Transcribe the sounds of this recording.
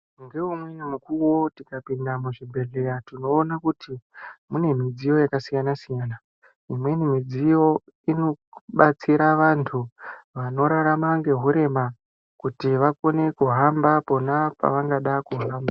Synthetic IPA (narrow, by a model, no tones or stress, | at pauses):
ŋɡe̞umwenimukuwo̞tikapindamuʐibʱe̞ɮeɾatino̞ːnakutimune̞mid͡zijo̞jakasijanasijaːna | imwe̞nimid͡zijo̞ | ino̞ɓat͡siɾaʋantʰuʋano̞ɾaɾamaŋɡe̞ɦuɾe̞ma | kutiʋako̞ne̞kuɦambapo̞napa̰ʋaŋɡaɗakuɦaːmba